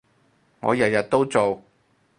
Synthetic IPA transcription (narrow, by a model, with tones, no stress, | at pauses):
ŋɔ̰ː˨˧jɐ˨t̚jɐ˨t̚t̪o˥wt͡so˨w